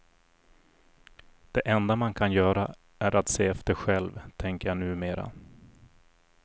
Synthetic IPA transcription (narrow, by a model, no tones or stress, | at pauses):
d̪̥ɛʔɛnd̪amankʰanjœːɾa | æɾat̪seːɛft̪əɾɧɛlvt̪ʰɛŋkəɾjanʉ̟ːmeːɾa̰